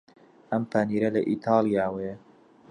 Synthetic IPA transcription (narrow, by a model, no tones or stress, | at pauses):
ʔɐmpʰaniːɾɐlɐʔiːt̪ʰɑːlˠijaːwe